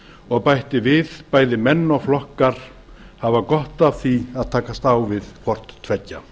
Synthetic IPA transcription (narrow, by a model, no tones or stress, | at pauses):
ɔɣpajht̪ɪvɪðpaːjðɪmɛnːɔɣflɔhkaɾ̥ | havakɔht̪av̥θiaðt̪ʰaːkast̪aːwvɪðkʰvɔr̥t̪t̪ːʰvɛcːa